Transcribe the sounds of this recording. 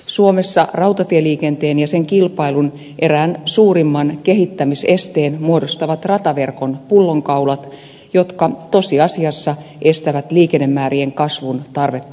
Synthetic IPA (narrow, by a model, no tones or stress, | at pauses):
suo̞mesːɑrɑwt̪ɑt̪ieliːke̞nt̪eːnjɑseŋkilpɑilun | ʔe̞ɾæːnsuːɾimːɑnke̞ɦit̪ːæmise̞st̪eːnmuo̞dost̪ɑʋɑt̪rɑt̪ɑʋe̞rko̞npulːo̞ŋkɑulɑt̪ | jo̞t̪kɑt̪o̞siɑsiɑsːɑ | ʔe̞st̪æʋæt̪liːkenːemːæːɾieŋkɑsʋunt̪ɑrʋe̞t̪ːɑ